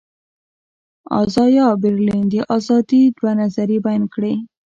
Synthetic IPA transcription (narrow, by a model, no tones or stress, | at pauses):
ɑ̰zɑjɑbɪɾlind̪əʔazɑd̪id̪wanazaɾibajnkɽe